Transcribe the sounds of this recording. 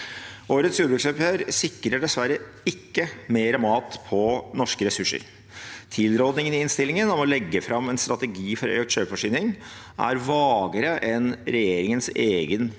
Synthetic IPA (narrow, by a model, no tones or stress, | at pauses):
ʔoːɾət̪sjuːɖəbɾʉksœpøːɾsɪkːɾəɖɛsʋæɾə | ɪkːəmeːɾɑmɑːt̪pʰɔnɔʂkəɾɛsʉʂːə̰ɾ | t̪ʰɪlɾoːd̪nɪŋənɪɪnst̪ɪlːɪŋənɔmɔlɛɡːəfɾɑmːɛnst̪ɾɑt̪əɡiːfɔɾœ̰ʏkt̪ɕøːfɔʂiːnɪŋ | ʔæ̰ɾʋɑːɡəɾəʔɛnɾɛjeːɾɪŋənseːɡən